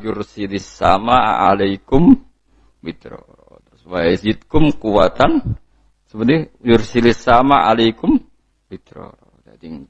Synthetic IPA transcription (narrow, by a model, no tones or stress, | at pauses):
d͡ʒʊrsilɪsːa̰maalajkʊm | bit̪ɾɔ̰ | t̪ɾʊswaɛsit̪̚kʊmkua̰t̪an | səbəd̪id͡ʒʊrsilɪsːamaʔalajkʊm | bit̪ɾɔ̰ | d̪a̰diŋ